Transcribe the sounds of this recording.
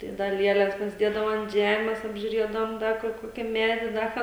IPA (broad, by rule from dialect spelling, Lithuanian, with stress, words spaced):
tɐɪ ˈdɐ ˈlʲiɛlʲɛs pɐsʲɪˈdʲiɛdɐʋoː ɐnt ˈʒʲæːmʲɛs ɐbʲʒʲʊˈrʲiɛdɐʋoːm ˈdɐ kʊr ˈkoːkʲɪ ˈmʲæːdʲɪ ˈdɐ kɑː